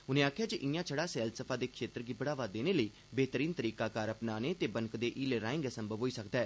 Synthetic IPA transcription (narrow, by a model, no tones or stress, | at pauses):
ʊnẽːaːkʰjaːd͡ʒiʔɪjãːt͡ʃʰəɽaːsɛːlsəpʰaːd̪eːkʰʃeːt̪əɾɡiːbəɽaːʋaːd̪eːneːləiː | beːt̪əɾiːnt̪əɾiːkaːkaːɾəpnaːneːt̪eːbəŋkd̪eːʔiːleːɾaːɪ̃ŋɡɛːsəmbʱəʋɦoːiːsəkd̪aɛː